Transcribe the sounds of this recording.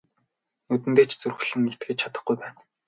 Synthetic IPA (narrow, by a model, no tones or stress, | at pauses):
nɵt̪ɘ̆nt̪eːt͡ɕt͡surx̆ɮɘ̆ŋːet̪ɡĕːt͡ɕt͡ɕʰat̪ə̆χɡujpæːn